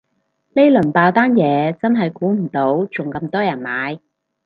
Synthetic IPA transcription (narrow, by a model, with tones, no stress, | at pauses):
le˥jlɵ˨˩npaː˧wt̪aː˥njɛː˨˧t͡sɐ˥nɦɐ˨jkuː˨˥m̩˨˩t̪o˨˥wt͡sʊ˨ŋkɐ˧mt̪ɔː˥jɐ˨˩nmaː˨˧j